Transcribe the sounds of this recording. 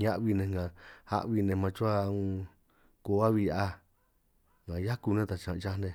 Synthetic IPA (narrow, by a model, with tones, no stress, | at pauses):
ɲã˦ʔβi˧nẽ˧ŋɡã˨ha̰˦ʔβi˧nẽ˧mã˧t͡ʃu˦a˧ũ˧ | ko˧˨˦a˦βi˧ja˧ | ŋɡã˨ja˦ku˧nẽ˦t̪a˨t͡ʃã˨˧t͡ʃa˦˧nẽ˧